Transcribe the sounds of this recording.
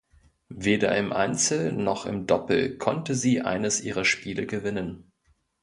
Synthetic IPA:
veːdɐ̰ɪmʔa̰ɪnt͡sl̩nɔχɪ̰mdɔpl̩kʰɔntəziːʔa̰ɪnəsʔiːʁɐʃpiːləɡəvɪnən

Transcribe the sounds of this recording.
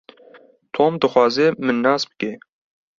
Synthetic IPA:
t̪ʰoːmd̪ɨxʷɑːzemɨnːɑːsb̥ɨ̥ke

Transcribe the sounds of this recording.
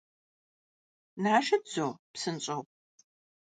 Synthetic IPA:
naːʃɐdd͡zopsɨnɕʼɐwp

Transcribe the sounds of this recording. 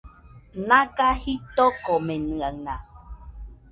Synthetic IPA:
nãkahit̪okomẽnɨ̃anã

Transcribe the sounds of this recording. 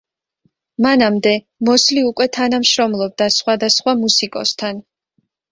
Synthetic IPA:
manamd̪ɛ | mɔsliukʼwɛt̪ʰanamʃɾɔmlˠɔb̚d̪asχwad̪asχwamusikʼɔ̰st̪ʰan

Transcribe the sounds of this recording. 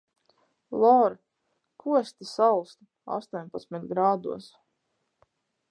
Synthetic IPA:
lˠɔɾ | kʰuɔsʲt̪isalˠst̪u | a̰st̪uɔɲpat̪smit̪ɡɾaːd̪ṵɔs

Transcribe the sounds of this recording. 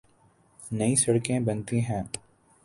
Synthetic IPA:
nɐisɐɽkẽbɐnt̪iɦɛ̃ː

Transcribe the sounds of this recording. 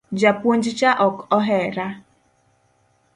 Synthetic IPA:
d͡ʒapuon̩d͡ʒɪt͡ʃaʔɔkɔɦɛɾa

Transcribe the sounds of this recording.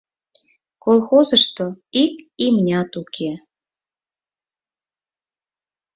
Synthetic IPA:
kolˠxozəʃt̪oikimnʲɑt̪ukʰe

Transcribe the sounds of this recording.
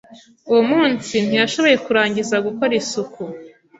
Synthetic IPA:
uwomuːnsin̥ijaʃo̞βo̞je̞kuɾaːɲɟizaɡukoɾisuku

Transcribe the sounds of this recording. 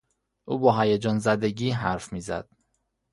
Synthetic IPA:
ʔuːbɒːɦæjed͡ʒɒːnzæd̪eɟiːɦæɾfmiːzæ̰d̪̥

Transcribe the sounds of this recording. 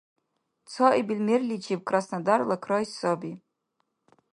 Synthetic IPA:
t͡sʰɔʔibilmerlʲit͡ʃʰeb̚kʰʼrasnadarlakʰrajsobi

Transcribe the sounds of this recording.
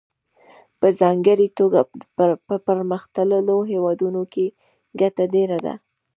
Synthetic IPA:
pəzɑŋɡəɾit̪oɡapəpəɾməxt̪ələloɦewɑd̪unoke | ɡatadeɾad̪a̰

